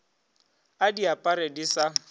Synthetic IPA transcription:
adiapʼaɾedisa

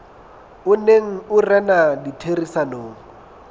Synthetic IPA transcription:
ʊneŋ̩ʊrɛnaditʰerisanoːŋ̩

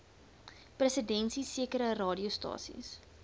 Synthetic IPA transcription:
prəsədɛnsisiəkəɾərɑːdiustɑ̰ːsḭs

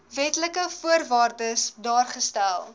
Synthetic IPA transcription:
vɛtləkəfuərvɑːrdəsdɑːrχəstælˠ

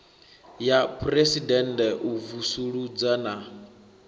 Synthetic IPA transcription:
japʰresidɛndɛʔuvusuɺud͡zana

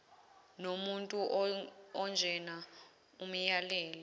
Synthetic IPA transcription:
nomuntʼuʔɔnd͡ʒʱɛna | umijalɛːlɛ

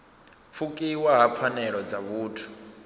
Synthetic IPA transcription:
p̪fʰukʼiwaɦap̪fʰanɛɺɔd͡zaβuːtʰu̥

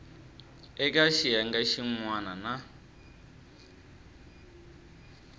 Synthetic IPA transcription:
ɛkʼaʃijaŋɡaʃiŋwanana

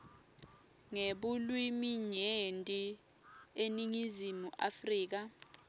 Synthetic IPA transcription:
ŋeɓulwimiɲentʼi | eniŋizimuʔafriːk̬a

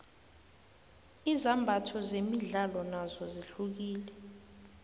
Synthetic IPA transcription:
izambʱatʰɔzemiɮalɔnazɔziɬuk̬iːlɛ

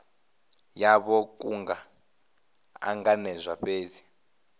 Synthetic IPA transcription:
jaβɔk̬ʼuŋɡa | a̰ŋɡanɛzʷaɸeːzi

